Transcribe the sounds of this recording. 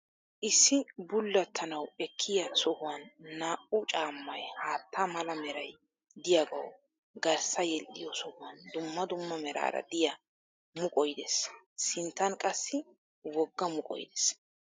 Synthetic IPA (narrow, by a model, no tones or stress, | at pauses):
ʔɪsːɪbʊlːɐt̪ʰːɐnɐwɛkʰːɪjɐsɔhʊwɐnːaːʔʊt͡ʃʼaːmːɐjhaːt̪ʰːamɐlɐmɛɾɐj | d̪ɪjaɡɐ̰w | ɡɐɾsɐjɛlʔɪjɔsɔhʊwɐnd̪ʊmːɐd̪ʊmːɐmɛɾa̰ːɾɐ̰d̪ɪjɐ | mʊkʼɔjd̪ɛsː | ɪnt̪ːɐnkʼɐsːɪ | wɔɡːɐmʊkʼɔ̰jd̪ɛs